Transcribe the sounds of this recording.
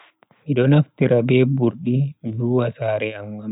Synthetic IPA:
miɗɔnaftiɾabɛbuɾɗimluwasaːɾɛamwam

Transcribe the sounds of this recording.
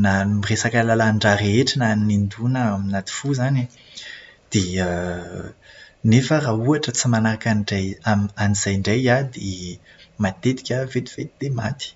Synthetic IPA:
namiresakalalaɳɖ͡ʐaɾeʈ͡ʂinanind̪unəaminat̪i̥fuzani | d̪̥eə | nefərauaʈ͡ʂət͡simanaɾakaniɖ͡ʐajamanizajɳɖ͡ʐajad̪e | mat̪et̪i̥kʲavet̪iv̥et̪i̥d̪̥emat̪i̥

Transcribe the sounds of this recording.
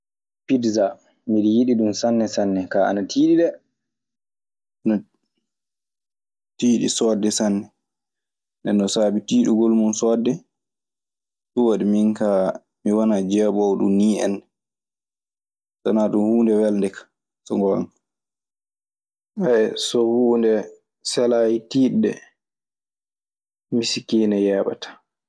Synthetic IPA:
pidza | miɗijiɗiɗumsanːɛsanːɛkaa̰natʰiːɗiɗɛ | nɔ | tiːɗḭsɔdːɛsanːɛ | ndɛnːɔsaːbitiːɗuɡolmunsɔːdːɛ | ɗuwaɗiminka | miwanad͡ʒɛɓɔwɗṵmniːɛ̰n | sa̰naɗumhuːndɛwɛlndɛkḁ | sɔŋɡɔa̰n | aɛsɔhuːndɛ | sɛlaːjitiːɗːɛ̰ | misikiːnɛjɛːɓa̰tḁ

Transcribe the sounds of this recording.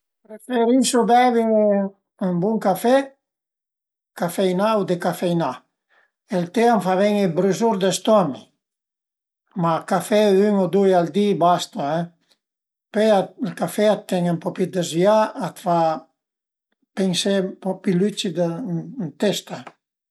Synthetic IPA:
pɾefeɾisobɛβi | mbuŋkafɛ | kafɛjnawd̪ekafɛjna | elt̪eaɱfavɛŋebɾyzuɾd̪est̪ɔni | makafɛyŋod̪ujald̪ibast̪aɛ | pealkafɛat̪ːɛŋampɔpid̪ezviaat̪fa | peŋsempɔpilyt͡ʃid̪ant̪ɛst̪a

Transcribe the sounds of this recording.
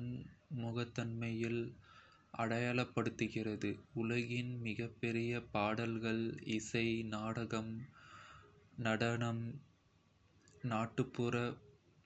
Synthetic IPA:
nmʊɣɐt̪ːɐnmɐjɪl | ʔɐ̰ɽɐjaːɭɐpːɐɽɯt̪ːɯɣɪrɐðɯʊlɐɣɪnmɪɣɐpːɛɾɪjɐpaːɽɐlɣɐɭɪsɐɪnaːɽɐɣɐm | nɐɽɐnɐm | naːʈːɯpːɯɾɐ

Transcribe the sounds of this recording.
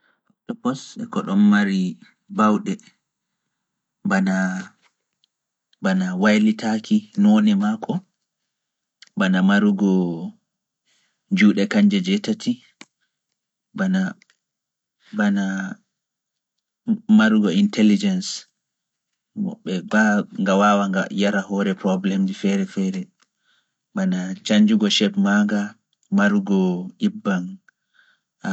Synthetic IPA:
atɔpɔsɛ̰kɔɗɔnmaɾi | bawɗɛ | bana | banawajlitʰakʰinɔnɛmakʰɔ | banamaɾuɡɔ | d͡ʒuːɗɛkaɲd͡ʒɛd͡ʒɛtatʰi | bana | bana | maɾuɡɔintɛlid͡ʒɛns | mɔ̰ɓːɛaŋɡawawaajaɾahɔɾɛpɾɔblɛmd͡ʒifɛɾɛfɛɾɛ | banat͡ʃaɲd͡ʒuɡɔʃɛpmaŋɡa | maɾuɡɔʔibːan

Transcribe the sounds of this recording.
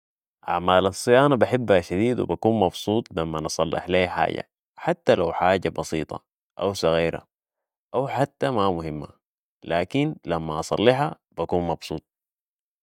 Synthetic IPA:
ʔa̰ʕmaːlɑsˤːɨjaːnabaħɪbːhaʃad̪iːd̪wḭbakuːnmɑbsˤuːt̪ˤlamːanɨsˤɑlːɪ̰ħleːħa̰ːɟa̰ | ħat̪ːalawħaːɟabɑsḭːt̪ˤɑ̰ | ʔawsɑɣiːɾa̰ | ʔawħat̪ːamamʊhimːa̰ | laːkinlamːaʔɑsˤɑ̰lːiħa | b̥akuːnmɑbsˤuːt̪̚ˤ

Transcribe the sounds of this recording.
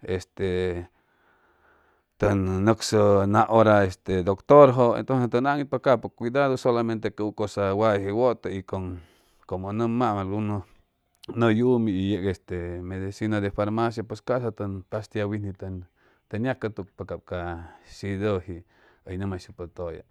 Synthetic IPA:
est̪e | t̪ənːəksənãʔoɾaest̪ed̪okt̪oɾɦoʔḛnt̪onsest̪ənaŋipakapokʷid̪aðosolamẽnt̪ekuukosawahiwot̪aikoŋ | komonəmamalɡuno | nəjumiijeʔkest̪emed̪isinad̪efaɾmas̬jap̬eskasat̪ənpast̪jawinit̪ | t̪ənjakat̪uk̚pakabkaʃid̪ohi | əjnəmaʃjupət̪oja̰

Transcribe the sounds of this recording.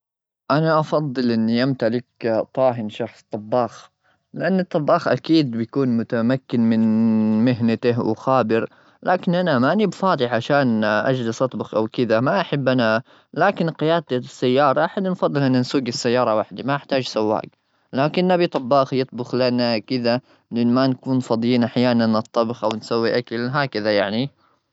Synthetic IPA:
ʔanaʔɑfɑd̪ˤːɨlʔɪnːijamt̪alɪkt̪ˤɑːɦɪnʃɑxsˤt̪ˤɑbːɑːx | lɪʔanːɨt̪ˤːɑbːɑːxʔa̰kiːd̪̚bɪjkuːnmʊt̪amakːɪnmɪnmɪɦnat̪ɪɦwxaːbɪɾ | lʔaːkɪnʔanamanibfɑːd̪ˤɪʕʕaʃaːnʔa̰d͡ʒlɪsʔɑt̪ˤbʊxʔawkɪd̪amaʔaħabːʔana | laːkɪnqɪjaːd̪asːajːɑːɾˤɑʔaħad̪nfɑd̪ˤːɨlʔɪnːansuːɡɪsːajːɑːɾˤɑwaħd̪imanɪħt̪aːd͡ʒsawːa̰ːk | laːkɪnːʔabit̪ˤɑbːɑːxjɨt̪̚ˤbʊxlanakɪða | lɪʔɪnmankuːnfɑd̪ˤjiːnʔaħjaːnanʔɨt̪ˤːɑbxʔawɪnsawːiʔakalɦaːkaðajaʕni

